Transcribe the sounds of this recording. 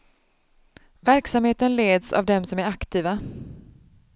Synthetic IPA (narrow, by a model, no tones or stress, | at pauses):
væɾksamheːt̪ənleːd̪sa̰vd̪ɛmsɔmæɾakt̪ʰiːva